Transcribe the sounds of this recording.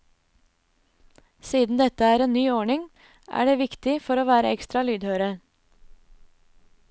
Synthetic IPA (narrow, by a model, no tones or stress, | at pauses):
siːd̪n̩d̪ɛt̪əæːɾeːnnyːoːɳɪŋ | ʔæ̰ːɖeːʋɪkt̪ɪfɔɾoːʋæːɾə̰ɛkst̪ɾɑlyːd̪høːɾə